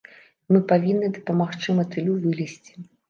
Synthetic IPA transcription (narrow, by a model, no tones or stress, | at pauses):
mɨpavʲinːɨd̪ɐpɐmaxt͡ʂɨmɐt̪ɨlʲuvɨlʲisʲt͡sʲi̥